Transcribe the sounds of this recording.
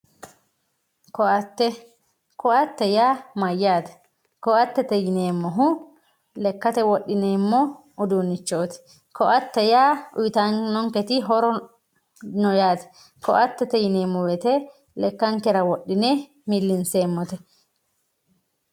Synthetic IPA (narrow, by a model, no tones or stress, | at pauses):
kɔɐt̪ːɛ | kɔʔɐt̪ːɛjaːmɐjːaːt̪ɛ̥ | kɔʔɐt̪ːɛt̪ɛjɪneːmːɔɦʊ | lɛkːɐt̪ɛwɔɗːɪneːmːɔ | ʊd̪uːnːɪt͡ʃːoːt̪ɪ̥ | kɔʔɐt̪ːɛjaːʔʊjɪt̪aŋnɔŋkɛt̪ɪɦɔɾɔ | nɔjaːt̪ɛ̥ | kɔ̰ʔɐt̪ːɛt̪ɛjɪneːmːɔwɛt̪ɛ | lɛkːɐŋkɛɾɐwɔɗːɪne | mɪlːɪnseːmːɔt̪ɛ